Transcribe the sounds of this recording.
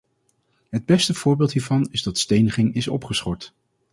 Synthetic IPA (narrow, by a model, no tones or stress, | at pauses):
ɦəd̚bɛstəv̥ʊːɹbɪːlˠtɦiːɹvɑnɪzdɑtstejnəχɪŋɪsɔ̰pχəsχɔɹt